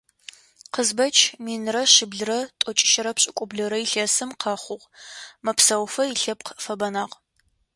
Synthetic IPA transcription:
qəzbɐt͡ʃʰmiːnɨrɐɕɪbɮɨrɐtʼɔt͡ʃʼɪ̥ʃɐɾɐpɕʼɪkʷʼʊbɮɐɾɐiɬɐsɨmqʰɑχʷʊʁmɐpsɐwfɐiɬɐp̚qfɐbɐnaːʁ

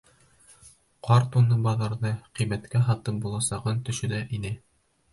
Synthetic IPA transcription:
qʰɑɾt̪unɤbɑðɑɾðɤqimæt̪kæɦɑt̪ɤp̚bulˠɑsɑʁɤnt̪ɵ̆ʃɵ̆d̪æʔinɘ

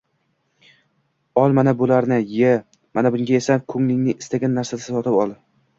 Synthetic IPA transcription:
ɒlˠmanabʊlaɾnɪjɪ | manabʊŋɡʲaesakʰɵŋlɪŋnɪɪst̪aɡʲanːaɾsasɪsɒt̪ʰɪpɒlˠd̪ɪ

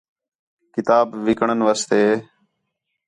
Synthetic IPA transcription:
kɪt̪aːbʋɪkɳənʋaːst̪eː

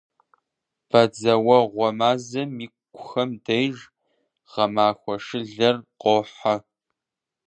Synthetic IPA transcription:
b̥ɐd͡zɐwɐʁʷɔmaːzɐmiːkʷkʷʰʼʊxɐmdɐjʒ | ʁ̥ɐmaːxʷɔʂɨɮɐrqoːħa

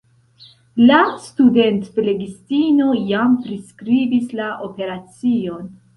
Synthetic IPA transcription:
lastude̞ntple̞ɡistino̞jampɾiskɾibislaʔo̞pe̞ɾat͡sio̞n

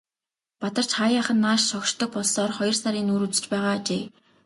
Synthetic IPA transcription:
pat̪ə̆r̥t͡ɕχajaχə̆nːaːʃʃɔkʃt̪ɞ̆k̚pɔɮsɔːrχɔjɞ̆rsaɾiːnuːɾut͡sɘ̥̆t͡ɕpæːʁaːt͡ɕeː

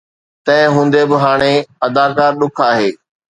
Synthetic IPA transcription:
t̪ɐ̃ɪ̃ɦũːn̆d̪ebɪɦaːɽ̃eɐd̪aːkaːɾɗʊkʰaːɦeː

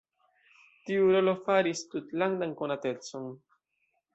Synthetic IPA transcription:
t̪iuɾolofaɾist̪ut̪laŋd̪aŋkonat̪et͡soŋ

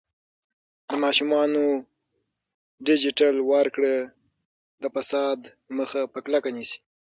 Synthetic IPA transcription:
d̪əmɑʃumɑno | ɖɪd͡ʒɪʈalwaɾkɽə | d̪əfasɑd̪ | məxapəklakanisi̥

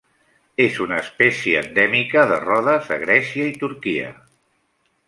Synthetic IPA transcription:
ezunəːspɛsjiə̰nd̪ɛmikəðə̰rɔðəzðə̰ɣ̞ɾɛsiəit̪uɾkiə̰

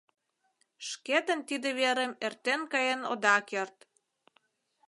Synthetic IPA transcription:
ʃket̪ə̆nt̪id̪ĕβeɾemert̪enkɑjeno̰d̪ɑkert̪

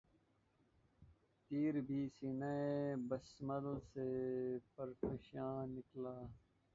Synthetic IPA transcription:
t̪iːɾbʱiːsinaebəsməd̪əlseːpəɾfəʃãːnɪklaː

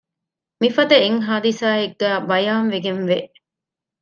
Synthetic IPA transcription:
mifɐd̪ɐeŋɦaːd̪isaːeɡːæːbɐjaːnʋeɡenʋeʔ

